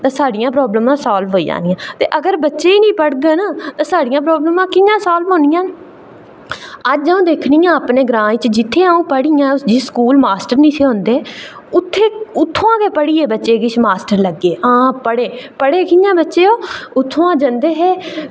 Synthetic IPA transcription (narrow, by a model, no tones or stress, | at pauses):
t̪ãːsaːɖɪjãːpɾɔːbləmãːsaːlbɦoːid͡ʒa̰ːnijãːt̪eːʔəɡəɾbətːʃeːiːnĩːpəɽɡənaːt̪ãːsaːɖɪjãːpɾɔːbləmãːkɪɲãːsaːlbɦõːnɪjãː | əd͡ʒd͡ʒəũːd̪eːkʰnijãːəpneːɡɾãːt͡ʃd͡ʒɪt̪ʰːeːaːũːpəɽijãːd͡ʒɪskuːlmaːsʈəɾnĩːt̪ʰeːɦõʊ̃nd̪eː | ʊt̪ʰːeːʊt̪ʰːõːãːkeːpəɽiːeːbətːʃeːɡɪt͡ʃmaːsʈəɾləɡːeːãːpəɽeːpəɽeːkɪjãːbətːʃeːoːʊt̪ʰːõːãːd͡ʒənd̪eːɦɛː